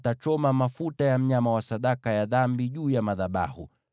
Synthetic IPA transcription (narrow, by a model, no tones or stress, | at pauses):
tat͡ʃɔmamafutajam̩ɲamawasaɗakajaðambiʄuːjamaðaɓa̰hu